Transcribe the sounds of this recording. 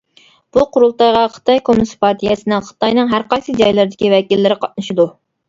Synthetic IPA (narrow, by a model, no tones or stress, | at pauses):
b̥uqʰʊɾulˠt̪ɑjʁɑχʰə̥t̪ʰɑjkʰomnɨsɨ̥pʰɑɾt̪ʰijɛsɨnɨŋχə̥t̪ɑjnɨŋɦæɾqɑjsɨd͡ʒɑjlˠɨɾd̪ɪ̥kʲivɛkʲilːɪɾɪqʰɑt̪̚nɨʃid̪u